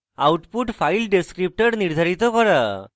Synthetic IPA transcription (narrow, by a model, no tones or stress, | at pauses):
awʈpuʈpʰajlɖeskɾip̚ʈɔɾniɾd̪ʱaɾit̪ɔkɔɾa